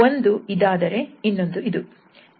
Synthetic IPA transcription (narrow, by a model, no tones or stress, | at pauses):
ond̪uid̪aːd̪ɐɾe̞inːond̪uid̪u